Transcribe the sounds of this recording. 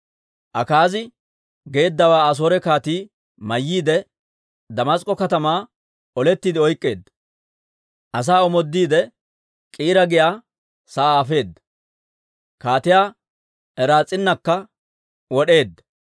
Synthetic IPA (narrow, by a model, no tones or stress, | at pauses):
ʔɐkaːzɪ | ɡe̞ːd̪ːɐwaːɐs̬o̞ːɾɛkaːt̪iː | mɐjːiːd̪ɛ | d̪ɐmɐskʼːɔkɐt̪ɐmaː | ɔlɛt̪ːiːd̪ɪɔjkʼːe̞ːd̪ːɐ | ʔɐs̬aːɔmɔd̪ːiːd̪ɛ | kʼiːɾɐɡɪjaː | saːaːfe̞ːd̪ːɐ | kaːt̪ɪjaː | ɛɾaːt͡sʼːɪnːɐkːɐ | wɔɗe̞ːd̪ːɐ